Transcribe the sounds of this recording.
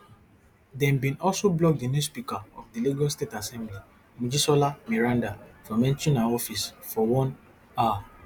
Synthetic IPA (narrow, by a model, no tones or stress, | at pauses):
dɛ̃nbĩnɔlsoblɔk̚dinjuspikaɔfdiliɡɔlstetasɛ̃mbli | mud͡ʒisɔlamiɹãndafɔ̃mɛ̃nʃɔ̃naɔfisfɔwɔ̃n | a